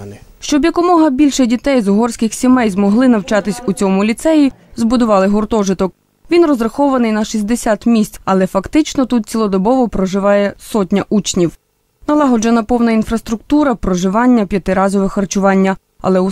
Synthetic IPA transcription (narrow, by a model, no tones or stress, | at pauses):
ʃt͡ʃɔbjɐkɔmɔɦɐbʲilʲʃɛdʲit̪ɛjzʊɦɔrsʲkɪxsʲimɛjzmɔɦlˠɪnɐwt͡ʃɑt̪ɪsʲut͡sʲɔmʊlʲit̪sɛji | zbʊd̪ʊʋɑlˠɪɦʊrt̪ɔʒɪt̪ɔk̚ | ʋʲinrɔzɾɐxɔʋɐnɪjnɐʃisʲd̪esʲat̪mʲisʲt͡sʲɐlˠɛfɐkt̪ɪt͡ʃnɔt̪ut̪̚t͡sʲilˠɔd̪ɔbɔʋɔpɾɔʒɪʋɑjɛsɔtʲnʲɐʔut͡ʃnʲiw | nɐlˠɑɦɔd͡ʒɐnɐpɔwnɐinfɾɐst̪ɾʊk̚t̪uɾɐpɾɔʒɪʋɑnʲːɐpʲjɐt̪ɪɾɑzɔʋɛxɐrt͡ʃʊʋɑnʲːɐ | ɐ̰lˠɛu